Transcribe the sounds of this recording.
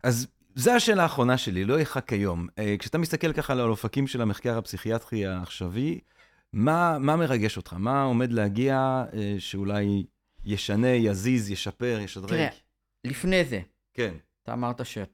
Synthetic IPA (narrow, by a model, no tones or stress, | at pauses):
ʔaz | zeaʃe̞ːlaːχʁo̞naʃe̞lilo̞eχakːajo̞mekʃeat̪amist̪ake̞lkaχaːlalofakimʃe̞lameχkaʁapsiχiat̪ʁiaːχʃavi | mamame̞ʁaɡe̞ʃot̪χamao̞me̞d̪lehaɡiaeʃeulajː | eʃane̞jazizjeʃape̞ʁjeʃad̪ʁeʁe | lifneze | ke̞n | t̪a̰ːmaʁt̪aʃe